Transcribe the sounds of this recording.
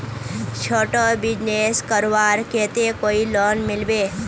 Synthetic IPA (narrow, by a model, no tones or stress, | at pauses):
t͡ʃʰoːʈobɪd͡ʒneskəɾʋaːɾkeːt̪ekoːilɔːnmɪlbeː